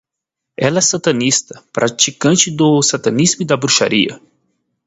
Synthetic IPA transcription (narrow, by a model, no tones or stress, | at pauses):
ɛlɛsat̪ɐ̃nist̪ɐ̥pɾʔat͡ʃikɐ̃nt͡ʃɪd̪ʊsat̪ɐ̃nizmʊd̪ɐbɾuʃa̰ɾiɐ̰